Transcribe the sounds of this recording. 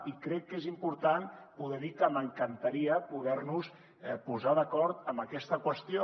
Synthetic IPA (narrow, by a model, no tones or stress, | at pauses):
ikɾɛkːezimpuɾt̪anpuðɛðikəməŋkənt̪aɾiəpuðɛɾnus | ɛpuzaðəkɔɾt̪əmbəkɛst̪əkwəst̪io